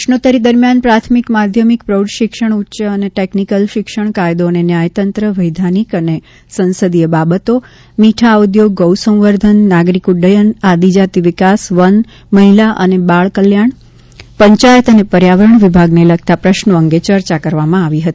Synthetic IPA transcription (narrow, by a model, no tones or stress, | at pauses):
əʃnot̪əɾid̪əɾmjanpɾat̪ʰmikmad̪ʱjəmikpɾowɖʃɪkʃəɳ̃utːʃəəneʈeknikəlʃɪkʃəɳkajd̪onenjajt̪ənt̪ɾəʋəjd̪ʱanikəne | sə̃nsəd̪ijəbabət̪o | miʈʰaud̪joɡ̚ːəwsə̃w̃ʋəɾd̪ʱənːaɡɾikuɖəjənad̪ʱid͡ʒat̪iʋɪkasʋən | məɦilaʔə̰nebaɭkəljaɳ̃ | pəɲt͡ʃajət̪ənepəɾjaʋəɾəɳʋɪbʱaɡnelək̚t̪apɾəʃnoəŋɡet͡ʃəɾt͡ʃakəɾʋamãaʋiɦət̪i